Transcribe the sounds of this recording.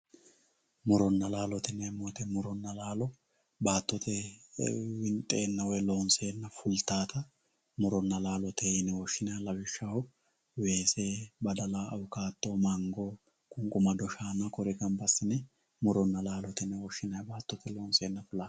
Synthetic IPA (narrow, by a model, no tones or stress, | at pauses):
mʊɾɔnːɐlaːlɔt̪ɪnːɛmːɔːt̪ɛmʊɾɔnːɐlaːlɔ | baːt̪ːɔt̪ʰɛ | wɪnt̪ʼeːnːɐwɔjloːnse̞ːnːɐfʊlt̪aːt̪ɐ | mʊɾɔnːɐlaːlɔt̪ʰɛɪnɛwɔʃːɪnɐjalɐwɪʃːɐhɔ | we̞ːseːbɐd̪ɐlaɐwʊkaːt̪ːomɐŋɡɔ | kʼʊŋkʼʊmɐd̪ɔʃaːnːɐkɔɾɛkɐmpɐsːɪnːɛ | mʊɾɔnːɐlaːlɔt̪ɪnːɛwɔʃːɪnɐjbaːt̪ːɔt̪ʰɛloːnseːnːɐfʊlaː